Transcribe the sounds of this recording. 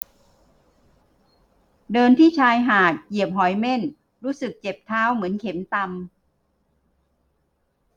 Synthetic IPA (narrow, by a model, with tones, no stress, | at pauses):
dɤː˧nt̪ʰiː˥˩t͡ɕʰaː˧jɦaː˨˩t̪̚ki˨˩əp̚ɦɔ˩˦jme˥˩n | ɾuː˦˥sɯ˨˩k̚t͡ɕe˨˩p̚t̪ʰaː˦˥wmɯ˩˦ənkʰe˩˦mt̪a˧m